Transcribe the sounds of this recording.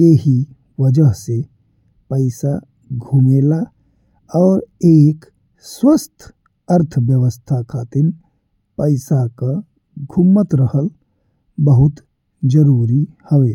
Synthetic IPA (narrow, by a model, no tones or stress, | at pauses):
jeɦi | ʋəd͡ʒəɦse | pəɪsa | ɡʱumeːla | ɔːɾeːk | swəst̪ʰ | əɾt̪ʰʋjəʋəst̪ʰakʰaːt̪ɪn | pəɪsaka | ɡʱʊmːət̪ɾəhəl | bəɦʊt̪ | d͡ʒəɾuːɾihəʋeː